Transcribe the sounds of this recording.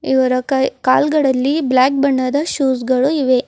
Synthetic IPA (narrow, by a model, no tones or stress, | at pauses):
iʋɐɾɐɐka̰ːlɡɐɭɐlːiblaːk̚bɐɳːɐd̪ɐʃuːs̬ɡɐɭuiʋe